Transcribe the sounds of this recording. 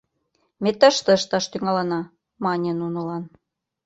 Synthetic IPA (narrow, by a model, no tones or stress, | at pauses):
met̪ə̆ʃt̪ə̆ʃt̪ɑʃt̪yŋɑlɤ̆nɑ | mɑnʲenunŏlɑn